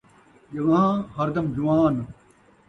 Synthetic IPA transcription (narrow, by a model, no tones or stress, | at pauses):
jɐʋãːhɐɾd̪ɐmd͡ʒuwaːn